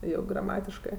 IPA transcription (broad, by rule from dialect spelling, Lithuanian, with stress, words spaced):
ˈjɛʊ ɡrɐˈmɑːtʲɪʃkɜ